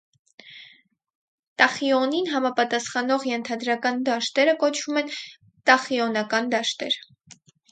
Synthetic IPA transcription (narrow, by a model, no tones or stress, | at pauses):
t̪ɑχiɔninɦɑmɑpɑt̪ɑsχɑnɔʁjɛnt̪ʰɑd̪ɾɑkɑnd̪ɑʃt̪ɛɾəkɔt͡ʃʰvumɛn | t̪ɑχiɔnɑkɑnd̪ɑʃt̪ɛɾ